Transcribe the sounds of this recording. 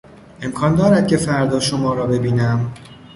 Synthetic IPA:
e̞mkʰɒːnd̪ɒːɾæd̪̚cʰe̞fæɾd̪ɒːʃomɒːɾɒːbe̞biːnæm

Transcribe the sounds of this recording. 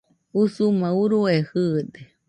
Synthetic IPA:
usumãuɾuehɨd̪e

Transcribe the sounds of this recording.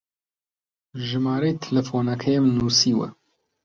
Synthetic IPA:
ʒɨmɑːɾeːt̪ʰlɛfoːnɐkʰɛjemnuːsiːwɛ̰

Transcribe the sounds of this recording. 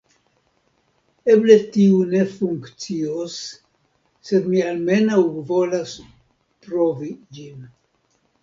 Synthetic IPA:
e̞ble̞tiune̞fuŋkt͡siosː | e̞d̪mialme̞nawvo̞las | pɾo̞vid͡ʒin

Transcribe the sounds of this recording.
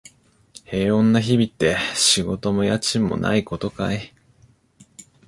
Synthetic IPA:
he̞ːõ̞nːaçibʲit̪ːe̞ɕiɡo̞t̪o̞mo̞jat͡ɕĩmːo̰na̰iko̞t̪o̞kae

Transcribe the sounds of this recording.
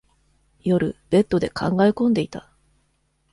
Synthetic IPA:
jo̞ɾɯ̟̰b̥e̞t̪ːo̞d̪e̞kʰãŋɡaekõ̞nd̪e̞it̪a

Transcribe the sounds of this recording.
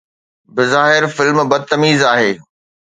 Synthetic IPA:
bɪzaːɦɪɾfɪlmbɐd̪̚t̪ɐmiːzaːɦeː

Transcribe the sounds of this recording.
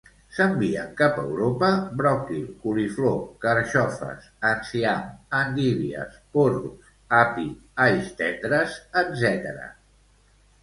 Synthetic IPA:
səmbiəŋkapə̰wɾopəbɾɔkilkuliflokəɾʃɔfə̰sənsiamənd̪iβiə̰sporus | api | ajst̪ɛnd̪ɾəzəd̪zɛt̪əɾə̰

